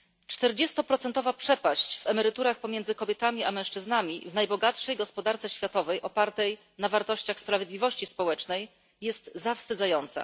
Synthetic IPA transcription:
t͡ʂt̪ɛɾd͡ʑɛst̪ɔpɾɔt̪sɛnt̪ɔvapʂɛpaɕt͡ɕvɛmɛɾɘt̪uɾaxpɔmʲjɛnd̪zɘkɔbʲjɛt̪amʲiʔamɛ̃w̃ʂt͡ʂɘznamʲivnajbɔɡat̪ʂɛjɡɔspɔd̪aɾt̪sɛɕfʲjat̪ɔvɛjʔɔpaɾt̪ɛj | navaɾt̪ɔɕt͡ɕaxspɾavʲjed̪lʲivɔɕt͡ɕispɔwɛt͡ʂnɛj | jɛst̪zafst̪ɘd̪zajɔnt̪sa̰

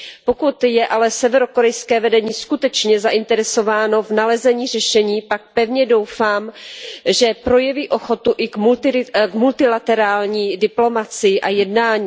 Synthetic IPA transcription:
po̞kut̪jɛʔalɛsɛvɛɾo̞ko̞ɾɛjskɛːvɛdɛɲiːskut̪ɛt͡ʃɲɛzaʔɪnt̪ɛɾɛso̞vaːno̞vnalɛzɛɲiːr̝ɛʃɛɲiːpak̚pɛvɲɛdowfaːmʒɛpɾo̞jɛviːʔo̞xo̞t̪uʔɪmult̪ɪkmult̪ɪlat̪ɛɾaːlɲiːdɪplo̞mat͡sɪjɪʔajɛdnaːɲiː

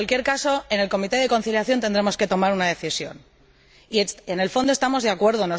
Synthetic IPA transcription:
alkje̞ɾkaso̞e̞ne̞lko̞mit̪e̞ðe̞ko̞nθiljaθjo̞nt̪e̞nd̪ɾe̞mo̞ske̞t̪o̞maɾunaðe̞θisjo̞̰n | iene̞lfo̞nd̪oe̞st̪amo̞zðakwe̞ɾð̞o̞no

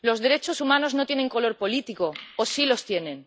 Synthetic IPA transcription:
lo̞zðe̞ɾe̞t͡ʃo̞sumano̞zno̞t̪je̞neŋko̞lo̞ɾpo̞lit̪iko̞osilo̞st̪je̞nẽ̞n

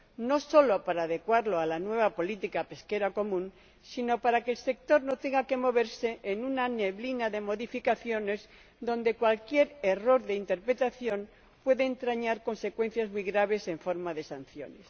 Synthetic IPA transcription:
no̞so̞lo̞paɾaːðe̞kwaɾlo̞alanwe̞β̞apo̞lit̪ikape̞ske̞ɾako̞mũn | sino̞paɾake̞ːlse̞k̚t̪o̞ɾno̞t̪e̞ŋɡake̞mo̞β̞e̞ɾse̞ʔːnunane̞βlinaðe̞mo̞ðifikaθjo̞ne̞z | ðo̞nd̪e̞kwalkje̞ɾero̞ɾðeint̪e̞ɾpɾe̞t̪aθjo̞n | pwe̞ðeːnt̪ɾaɲaɾko̞nse̞kwe̞n̟θjazmujɣɾaβ̞e̞se̞ɱfo̞ɾmaðe̞san̟θjo̞̰ne̞s

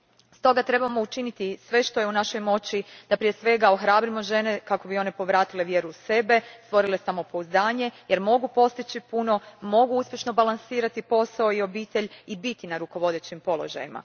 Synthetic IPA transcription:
st̪o̞ɡat̪ɾe̞bamo̞ut͡ʃinit̪isʋe̞ʃt̪o̞jeunaʃo̞jmo̞t͡ɕid̪̥apɾije̞sʋe̞ɡao̞xɾaːbɾimo̞ʒe̞ne̞kako̞bio̞ne̞po̞ʋɾaːt̪ileʋje̞ɾuːse̞be̞st̪ʋo̞ɾilesamopo̞uzd̪aːɲe̞je̞ɾmo̞ɡupo̞st̪it͡ɕipuno̞mo̞ɡuuspʲjeʃno̞balˠansiːɾat̪ipo̞sao̞io̞biːt̪e̞ʎibit̪inaɾuko̞ʋo̞d̪eːt͡ɕimpo̞lˠo̞ʒa̰jima̰

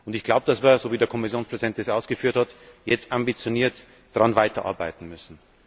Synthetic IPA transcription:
ʊntɪçɡ̥laʊbəd̥asv̥iːɐzoːviːdeɐkʰɔmɪsjoːnspʁ̥ɛzidɛnt̚d̥esʔaʊsɡ̥əfyːɐthatjɛt͡stambit͡sjoniːɐt | d̥ʁanvaɪtɐʔa̰ɐba̰ɪtn̩mʏsn̩

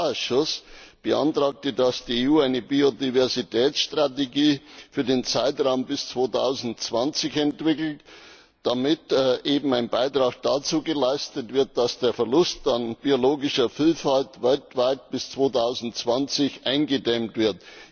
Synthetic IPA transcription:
sʃʊsb̥əʔa̰ntʁ̥aːk̚tədasd̥iːeuːaɪnəbiodivɛɐzitʰɛːt͡ssʃtʁ̥ateɡiːfyːɐdeːnt͡saɪtʁaʊmbɪst͡sv̥oːtʰa̰ʊzn̩tt͡sv̥ant͡sɪçɛntv̥ɪkl̩t | d̥amɪtʔeːbm̩aɪnbaɪtʁ̥aːk̚d̥at͡suːɡəlaɪstətv̥ɪɐt̚d̥asd̥eːɐfɛɐlʊstanb̥ioloːɡɪʃɐfiːlfaltvɛltv̥aɪt̚b̥ɪst͡sv̥oːtʰaʊzn̩tt͡sv̥ant͡sɪçʔaɪnɡədɛmtv̥ɪɐt

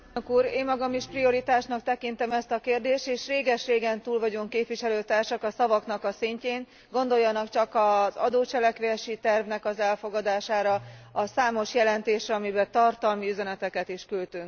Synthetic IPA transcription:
kuːɾeːmːɒɡɒmiʃprio̞ɾit̪aːʃnɒkt̪ɛkint̪ɛmɛst̪ɒkeːrd̪eːʃt̪eːʃreːɡɛʃreːɡɛnt̪uːlvɒɟuŋkeːpʋiʃɛløːt̪aːrʃɒkɒsɒvɒkn̪ɒkɒsiɲceːn | ɡo̞nd̪o̞jːɒnɒkt͡ʃɒkɒzɒ̰d̪oːt͡ʃɛlɛkʋeʃit̪ɛrvnɛkɒzɛlfo̞ɡɒd̪aːʃaːɾɒɒsaːmo̞ʃjɛlɛnt̪eːʃrɛɒmibɛt̪ɒrt̪ɒlmiyzɛnɛt̪ɛkɛt̪iʃkylt̪yŋk

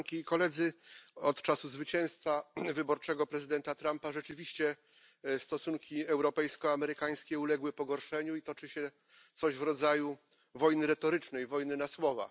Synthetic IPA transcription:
ŋkʲiːkɔlɛd̪zɘɔt̪t͡ʂasuzvɘt͡ɕɛ̃w̃st̪favɘbɔɾt͡ʂɛɡɔpɾɛzɘd̪ɛnt̪at̪ɾampaʐɛt͡ʂɘvʲiɕt͡ɕɛ | st̪ɔsuŋkʲiɛwɾɔpɛjskɔamɛɾɘkaj̃skʲɛulɛɡwɘpɔɡɔɾʂɛɲuit̪ɔt͡ʂɘɕɛ | t̪sɔʑvɾɔd̪zaju | vɔjnɘɾɛt̪ɔɾɘt͡ʂnɛjvɔjnɘnaswɔva̰

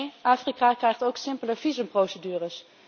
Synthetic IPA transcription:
jʔaːfrikakrɛjχtowksɪmpələv̥izəmprowsədyːrəs

